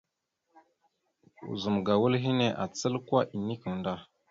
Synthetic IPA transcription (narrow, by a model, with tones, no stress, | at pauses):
ṵ˨zu˨mɡa˨wu˦lɦi˦ne˨ʔa˨t͡sə˦lkwa˦ʔi˨ni˦kə˨ŋ˨nda˦